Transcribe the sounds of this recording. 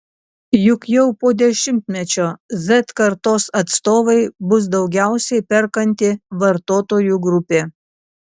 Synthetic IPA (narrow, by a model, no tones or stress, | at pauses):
jʊkjɛʊpoːd̪ʲɛʃʲɪmʲt̪ʲmʲɛt͡ʃʲoːzɛt̪kɐɾt̪oːsɐt̪st̪oːʋɐɪbʊs̬d̪ɒʊɡʲæˑʊsʲɛɪpʲɛɾkɐnʲt̪ʲɪʋɐɾt̪oːt̪oːjuːˑɡɾʊpʲeː